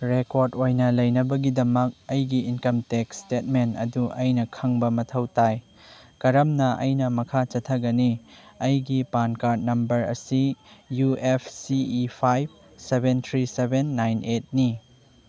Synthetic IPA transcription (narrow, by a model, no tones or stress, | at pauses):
ɾekoɾdojnɐlɐjnɐbɐɡidɐmɐk̚ɐjɡiinkɐmtek̚stet̚menɐ̰duʔɐjnɐkʰɐŋbɐmɐtʰɐwtaj | kɐɾɐmnɐʔɐ̰jnɐmɐkʰat͡ʃɐtʰːɐɡɐniɐjɡipankaɾt̚nɐmbɐɾɐ̰sijuepʰsiipʰajb̚ | sebent̪ʰɾisebenːajnʔet̚ni